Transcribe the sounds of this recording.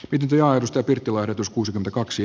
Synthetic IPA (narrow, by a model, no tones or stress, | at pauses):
mit̪nyt̪ojɑerust̪æːpirt̪ːilɑeret̪uskuːsikyment̪ækɑksi